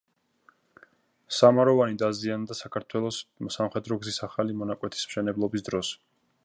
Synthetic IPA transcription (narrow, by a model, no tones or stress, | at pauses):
samaɾɔvanid̪aziand̪asakʰaɾt̪ʰwɛlˠɔssamχɛd̪ɾɔɡzisaχalimɔnakʼwɛt̪ʰi̥sm̥ʃɛnɛblˠɔbisd̪ɾɔs